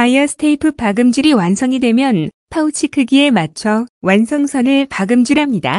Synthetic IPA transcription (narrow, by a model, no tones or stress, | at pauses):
aiʌsʰtʰeipʰɯp͈aɡɯmd͡ʑuɾiwansʰʌŋidwemjʌnpʰaut͡ɕʰikʰɯɡie̞mat͡ɕʰʌwansʰʌŋsʰʌnɯɭpaɡɯmd͡ʑuɾɦamɲida̰